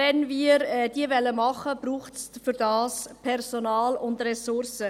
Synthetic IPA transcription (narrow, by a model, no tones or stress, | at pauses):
ɛnviːɾɛd̥iːəvɛlːəmɑχəb̥ɾuːχtsfyɾdɑːspʰɛrsonɑːlʊndrɛsʊɾsə